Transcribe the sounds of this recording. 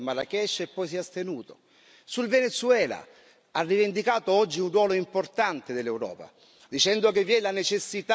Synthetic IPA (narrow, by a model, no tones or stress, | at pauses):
malakɛʃepːɔjs̬iast̪enuːt̪o̰ | sulvenet̪suɛːla̰ | arːivend̪ikaːt̪oɔd͡ʒːiunrwɔːloimport̪ant̪ed̪elːewɾɔ̰ːpa̰ | d̪it͡ʃɛnd̪okevːjɛlanet͡ʃesːit̪